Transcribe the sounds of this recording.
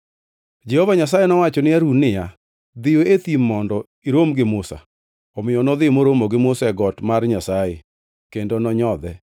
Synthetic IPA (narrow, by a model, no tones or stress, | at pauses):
d͡ʒɛhovaɲas̬ajenɔwat͡ʃɔnɪaɾunːɪja | d̪ɪjoet̪imːɔndɔ | iɾomɡɪmʊsa̰ | ɔmɪjɔnɔd̪ɪmoɾomoɡɪmʊsɛɡɔtmarɲasaje | kendonɔɲɔd̪ɛ